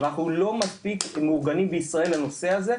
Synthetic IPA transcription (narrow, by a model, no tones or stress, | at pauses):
naχnulo̞maspikmuʁɡanimbeisʁae̞lːano̞se̞aze